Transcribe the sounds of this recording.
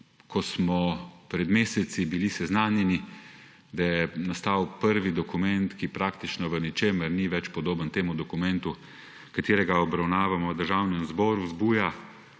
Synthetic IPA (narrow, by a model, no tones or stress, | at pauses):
kɔsmɔpɾɛd̪meːsɛt̪sibilisɛznaːnjɛni | d̪ajɛnast̪awpəɾʋid̪ɔkumɛnt̪kipɾaːkt̪it͡ʃnɔʋənɛt͡ʃeːməɾniʋɛt͡ʃpɔd̪oːbənt̪eːmud̪ɔkumɛnt̪u | kat̪eːɾɛɡaɔbɾawnaːʋamɔd̪əɾʒaːwnɛmzbɔːɾuzbuːja